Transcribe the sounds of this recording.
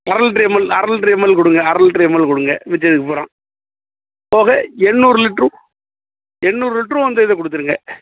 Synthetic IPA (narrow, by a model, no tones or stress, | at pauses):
ɐɾɐlʈɾiːmɐlɐɾɐlʈɾiːmɐlkɔɽɯŋɡɐɐɾɐlʈɾiːmɐlkɔɽɯŋɡɐʋɛt͡ʃːɐðɯkːɯpoːɾãː | poːɣɐɛnːuːɾɯlɪʈrũ | ɛnːuːɾɯlɪʈːrũɔnd̪ɐɪðɐkɔɽɯt̪ːɯɾɯŋɡɐ